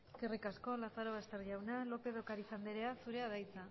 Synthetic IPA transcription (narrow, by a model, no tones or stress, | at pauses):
kerikasko̞laθaɾo̞βast̪e̞ɾʝawnalo̞pe̞ðo̞kaɾisand̪eɾeasuɾe̞aðajt͡sa